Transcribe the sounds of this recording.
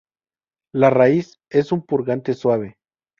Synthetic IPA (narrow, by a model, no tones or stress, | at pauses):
larais | e̞sumpuɾɣant̪e̞swaβ̞e̞